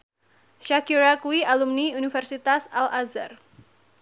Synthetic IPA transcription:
ʃakiɾakuwialumniunifɛrsit̪asalʔaza̰r

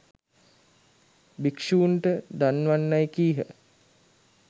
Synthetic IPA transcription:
bikʂuːnʈəd̪anːʋanːajkiːɦə̰

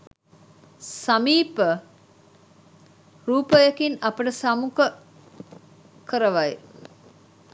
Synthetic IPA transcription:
samiːpə | ruːpəjəkinapəʈəsamukə | kəɾəʋaj

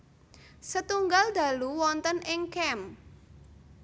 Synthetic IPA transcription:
sət̪uŋɡald̪̥a̤luwɔnt̪ənɪŋkɛm

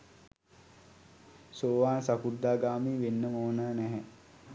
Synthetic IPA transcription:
soːʋaːnsakud̪ːaːɡaːmiːʋenːəmoːnaːnæɦɛ

